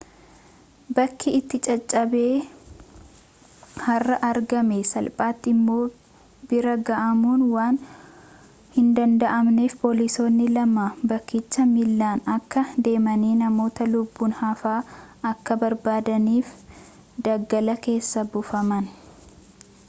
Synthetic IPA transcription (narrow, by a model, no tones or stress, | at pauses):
bɐkːɪɪt̪ːɪt͡ʃʼɐt͡ʃʼːɐbe̞ː | hɐrːɐʔɐɾɡɐmesɐlpʼaːt̪ːɪmːo̞ː | bɪɾɐɡɐʔɐmuːnwaːn | hɪnd̪ɐnd̪ɐʔɐmneːfpoːlɪso̞ːnːɪlɐmabɐkːiːt͡ʃːɐmɪlːaːnɐkːɐd̪e̞ːmɐniːnɐmo̞ːt̪ɐlʊbːuːnhafaːɐkːɐbɐɾbaːd̪ɐniːf | d̪ɐɡːɐlɐke̞ːsːɐbʊfɐmɐn